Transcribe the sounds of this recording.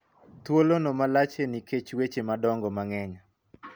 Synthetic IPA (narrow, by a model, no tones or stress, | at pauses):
t̪wolonɔmalat͡ʃeniket͡ʃwet͡ʃemadɔŋɡɔmaŋɛɲa